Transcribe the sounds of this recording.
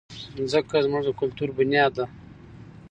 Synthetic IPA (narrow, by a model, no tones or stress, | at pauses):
zəkazmʊʐəkʊlt̪uɾbʊnjɑːd̪a